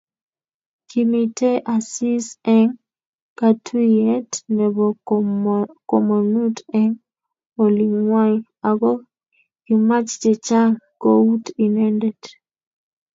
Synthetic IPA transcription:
kʰi˨mi˨tʰe˦ʔa˨si˦sɛ˦ŋ | ka˦tʰu˦jɛ˦tnɛ˨bɔ | kɔ˨mo˨nu˦tɛ˦ŋ | o˨li˨ŋwa˦ | a˨ɡɔ˦ | ki˨ma˦t͡ʃt͡ʃɛ˨t͡ʃa˦ŋkɔ˦u˦ti˨nɛ˦ndɛ˨d

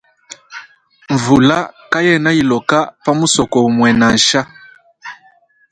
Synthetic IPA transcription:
ɱ˨vu˨la˦ka˦jɛ˦˨na˦i˨lɔ˨ka˦pa˦mu˦sɔ˨kɔ˨u˨mwɛ˨na˨n˨ʃa˦

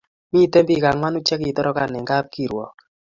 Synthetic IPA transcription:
mi˦tɛ˦mbi˦˨ka˨ŋwa˦nu˦t͡ʃɛ˦k̬i˨tɔ˦ɾɔ˦ka˨nɛ˨ŋɡa˦p̚ki˨ɾwɔ̰˨k

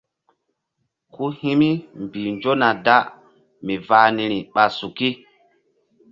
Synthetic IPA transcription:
ku˦hi˦mi˦mbiː˨nd͡ʒo˦na˨da˦ | mi˨vaː˨ni˨ɾi˨ɓa˨su˨ki˦

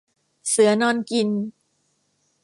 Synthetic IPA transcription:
sɯ˩˦ɐnɔː˧nki˧n

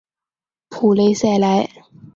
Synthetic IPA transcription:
pʰuː˨˩le˨˧˥jsɛ˨˧˩la˨˥j

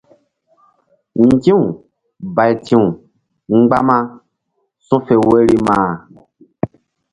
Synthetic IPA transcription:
ŋ̩˨tĩ˦ũ˨ | ba˨i˨tĩ˦ũ˨ | ŋ͡m̩˦ɡ͡ba˦mã˦ | sũ˦fe˨we˦ɾi˦mãː˨

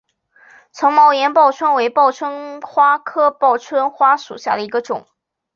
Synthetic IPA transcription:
t͡sʰɤ˧˥ŋmɑ˥˩ʊjɛ˧˥npɑ˥˩ʊʈ͡ʂʰwə˥nwe˧˥ɪpɑ˥˩ʊʈ͡ʂʰwə˥nxwa˥kʰɤ˥pɑ˥˩ʊʈ͡ʂʰwə˥nxwa˥ʂṵ˨˩ɕja̰˥˩d̪ə˩i˧˥ɡə˧ʈ͡ʂʊ̰˨˩˦ŋ

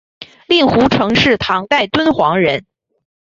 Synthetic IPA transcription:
li˥˩ŋxu˧˥ʈ͡ʂʰɤ˧˥ŋʂɻ̩˥˩t̪ʰɑ˧˥ŋt̪a˥˩ɪt̪wə˥nxwɑ˧˥ŋɻə˧˥n

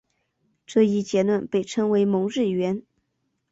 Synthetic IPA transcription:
ʈ͡ʂɤ˥˧i˥˩t͡ɕjɛ˧˥lwa˥˩npe˥˩ɪʈ͡ʂʰɤ˧˥ŋwe˧˥ɪmʊ˧˥ŋɻɻ̩˥˩ɥɛ˧˥n

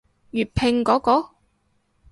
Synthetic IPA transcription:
ɥyː˨˩t̚pʰɪ˨˧ŋkɔː˨˥kɔː˨˥

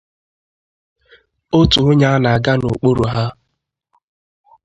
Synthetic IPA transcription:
o˦tu˨ʊ˦ɲa˦na˨ɡa˦nʊ˨k͡po˦ɾu˨ɦa˦

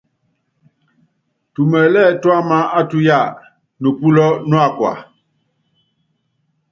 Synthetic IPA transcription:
tu˨mɛ˨lɛ˦˨twa˦ma˦a˦tu˦ja˦˨ | nu˨pu˦lɔ˦nu˦a˦˨kwa̰˨

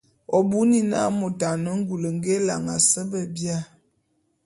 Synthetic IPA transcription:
ɔ˨bu˦ni˦na̰˦mo˨ta˨nə˦ŋ˦ɡu˨lə˨ŋɡe˦la˨ŋa˨sə˦bə˦bja˦

